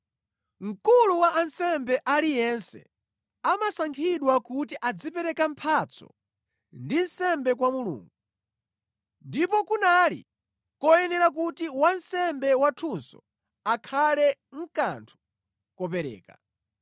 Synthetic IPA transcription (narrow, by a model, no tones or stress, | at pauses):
ŋ̩kuluwaʔːnsɛmbɛʔalijɛnsɛ̰ | amasaŋkʰiɗwakutiʔad͡zipɛɾɛkampʰat͡sʰɔ̰ | ndin̩sɛmbɛk̬wamulṵːŋɡu | ndipɔkunalḭ | kɔjɛnɛɾak̬utiwansɛmbɛwatʰunsɔ̰ | akʰalɛŋ̩kantʰu̥ | kɔp̬ɛɾɛ̰ːka̰